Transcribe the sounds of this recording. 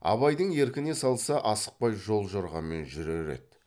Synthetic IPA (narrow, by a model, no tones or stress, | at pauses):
ɑ̰βɑjd̪əɴe̞ɾkʲɪne̞sɑlˠsɑʔɑsə̥q̚pɑjʒo̞lˠʒoɾʁɑ̰me̞nʒʏɾeɾe̞̰d̪̥